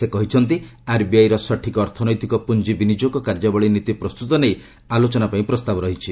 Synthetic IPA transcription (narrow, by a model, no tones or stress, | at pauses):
sekɔɦit͡ʃʰɔnt̪̬iaɾbiajɾɔsɔʈʰikɔːɾt̪ʰɔnɔjt̪ikɔpund͡ʒibinid͡ʒokɔkaɾd͡ʒabɔɭinit̪ipɾɔst̪ut̪ɔnej | alot͡ʃɔnapaĩpɾɔst̪abɔɾɔɦit͡ʃʰi